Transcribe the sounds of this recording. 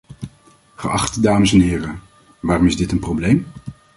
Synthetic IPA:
χə̰ʔɑ̰χtədaːməsɛnɦɪːɾə | ʋaːrɔmɪzdɪtənprowblejm

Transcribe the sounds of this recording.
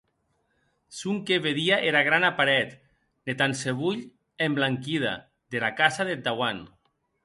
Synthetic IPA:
suŋkeβeðiaʔeɾaɣ̞ɾanapaɾɛt̪ | net̪anseβuʎ | emblaŋkið̞a̰ | ðelakasaðed̪awan

